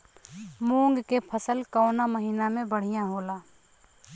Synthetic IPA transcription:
muːŋɡkepʰəsəlkɔːnaməɦiːnamẽbəɽ̤ijãɦoːlaː

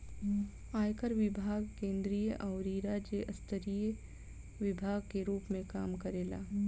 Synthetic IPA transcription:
aːjkəɾʋɪbʱaːɡkẽːnd̪ɾijəʔɐʊɾiɾaːd͡ʒeʔəst̪əɾijə | ʋɪbʱaːɡkeɾuːpmẽkaːmkəɾeːla̰ː

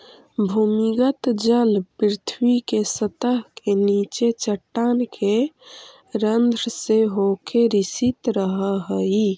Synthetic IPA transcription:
bʱumiɡət̪d͡ʒəlpɾɾɪt̪ʰwikesət̪əɦkenit͡ʃet͡ʃəʈːankʰe | ɾənd̪ʱɾseɦokʰeɾisit̪ɾəɦəɦəi

